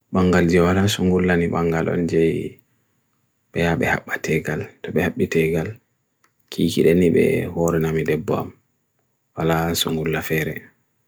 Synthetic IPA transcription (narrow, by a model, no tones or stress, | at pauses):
ɓaŋɡald͡ʒɛwalasuŋɡulːaniɓaŋɡalɔ̰nd͡ʒɛj | ɓɛjaɓɛ̰ha̰ɓːatɛɡaltɔɓɛhaɓːitɛɡal | kʰiːkḭɗɛniɓɛ̰hoɾɛnamidɛbːɔ̰a̰m | walasuŋɡulːafɛɾɛ